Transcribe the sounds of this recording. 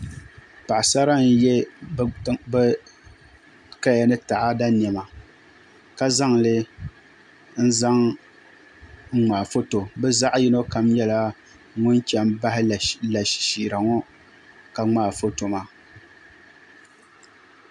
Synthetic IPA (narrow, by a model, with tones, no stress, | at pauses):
pa˨ʔsa˦ɾa˦n̩˦jɛ˦ | b | ka˦ja˨nɨ˦ta˨ʔa˦da˦nɛ˨ma˨ | ka˦za˦ŋlɨ˦ | n̩˦za˦ŋ | ŋ̩˦ŋ͡maː˨fo˦to˨bɛ˦za˦ʔji˦no˦ka˨mjɛ˦la˦ | ŋʊ˦nt͡ʃɛ˦mba˦hɪ˦˨la˨ʃʃi˨ɾa˨ŋɔ˦ | ka˨ŋ͡maː˦˨fo˦to˨ma˨